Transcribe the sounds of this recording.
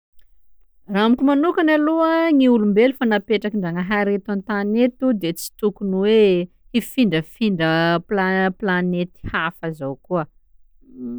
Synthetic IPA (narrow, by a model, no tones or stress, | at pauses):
raamikʲumanukanaluəŋiulumbelufanapeʈ͡ʂakiɳɖ͡ʐaŋəɦaɾet̪ant̪anet̪ud̪et͡si̥t̪ukunuwe | ifiɳɖ͡ʐəfiɳɖ͡ʐəplaplanet̪i̥hafazawkuə